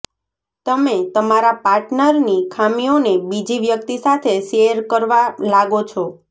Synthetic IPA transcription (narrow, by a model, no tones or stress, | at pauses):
t̪əmet̪əmaɾapaɾʈnəɾnikʰamionebid͡ʒiʋjək̚t̪isat̪ʰeʃejəɾkəɾʋalaɡot͡ʃʰɔ